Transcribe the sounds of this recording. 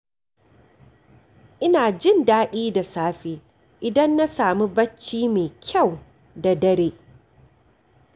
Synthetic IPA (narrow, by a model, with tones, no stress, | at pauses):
ʔɪ˦naː˨d͡ʒɪ˦˨ndaː˦ɗiː˦da˨saː˦ɸeː˦ | ʔɪ˨dɐ˦nːa˦saː˨mu˦bɐ˦t͡ʃːiː˦meː˨kʲʰa˦˨w | da˨dɐ˦ɾeː˦